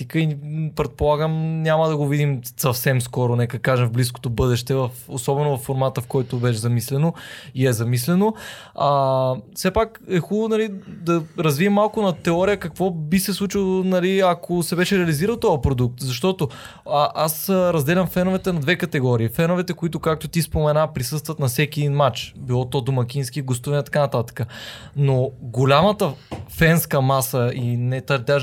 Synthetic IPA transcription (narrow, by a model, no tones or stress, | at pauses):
t̪ikəipɾɛt̪̚polˠaɡəmnʲaməd̪ɐɡovid̪imsɐfsɛmskɔɾonɛkəkaʒɛmvblis̬ko̥t̪obɤd̪ɛʃt̪ɛvɐfosɔbɛnovɐfːoɾmat̪əfkɔjt̪obɛʃzɐmislɛnoiɛzɐmislɛno | afsɛpakɛxulˠonɐlid̪ɐɾɐzviəmːalˠkʊnɐt̪ɛɔɾijəkɐkvɔbisɛslˠut͡ʃilˠonɐliɐkʰosɛbɛʃɛɾɛɐliziɾəlˠt̪ɔjɐpɾod̪uk̚t̪zɐʃt̪ɔt̪o | ʔasɾɐzd̪ɛlʲɐmfɛnʊvɛt̪ɛnɐd̪vɛkɐt̪ɛɡɔɾiːfɛnʊvɛt̪ɛkoit̪ʊkak̚t̪ʊt̪ispomɛnapɾisɤst̪vət̪nɐsɛkʲiɛd̪inmat͡ʃbilˠɔt̪ɔd̪omɐkʲinskiɡost̪uvɛnɛt̪ɐ̥kanɐt̪at̪ə̥kənoɡolʲamɐt̪əfɛnskəmasəinɛt̪ɐɾd̪ʲa